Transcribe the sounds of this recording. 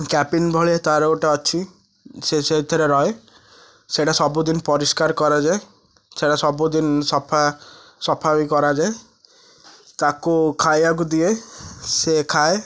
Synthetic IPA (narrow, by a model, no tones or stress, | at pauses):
kɛpinbʱɔɭiet̪aɾoʈaɔt͡ʃʰi | seset̪ʰɔɾeɾɔe | seʈasɔbud̪inpɔɾiskaɾkɔɾad͡ʒae | seʈasɔbud̪insɔpʰasɔpʰabikɔɾad͡ʒae | t̪akukʰajak̬ud̪iesekʰae